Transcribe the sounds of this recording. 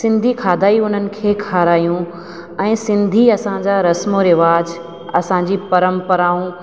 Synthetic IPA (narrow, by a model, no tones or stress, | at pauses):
sɪ̃nd̪ʱikʰaːd̪ʱaːiʊn̤ənɪ̆kʰeːkʰaːɾaːjũ | ɛ̃ːsɪ̃nd̪ʱiɐsãd͡ʑaɾɐsmoɾɪʋaːd͡ʑ | ɐsãɲd͡ʑipɐɾəmpəɾaːũ